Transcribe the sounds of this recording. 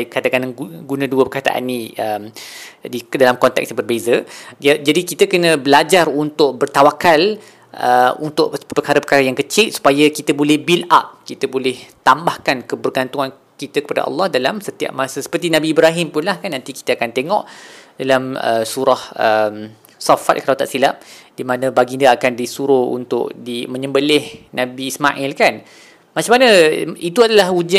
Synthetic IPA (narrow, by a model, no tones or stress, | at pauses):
kat̪akanuɡunãduəbərkat̪a̰ʔa̰nːĩəmdidalamkɔnt̪ɛ̰k̚sjãbərbezəd͡ʒadikit̪əkənə̃bəlad͡ʒarunt̪ʊk̚bərt̪awakal | ʔə̰unt̪ʊʔpərkaɾəpərkaɾajaŋkət͡ʃɪlsu̥pajakit̪əbolɛhbila̰p̚kit̪əbolɛht̪ambahkankəbərɡant̪uŋan | kit̪akə̥pada̰ʔɑ̰lːɑhdalamsət̪ia̰p̚masəsə̥pərt̪inabiːbɾaɦɪmpʊnlahkanːãnt̪iki̥t̪əakant̪eŋɔʔdalamə̰suɾahəm | sɔfa̰t̪̚kəalawt̪a̰ʔsilap̚dimanə̃baɡindəakandisuɾoṵnt̪ʊ̰ʔdimə̃ɲə̃mbəlɪhnãbiːsmaʔɪlkan | mat͡ʃamanəit̪uadalahud͡ʒa